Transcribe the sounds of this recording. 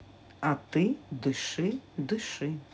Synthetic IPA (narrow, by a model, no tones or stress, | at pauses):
ɐt̪ɨd̪ɨʃɨd̪ɨʃɨ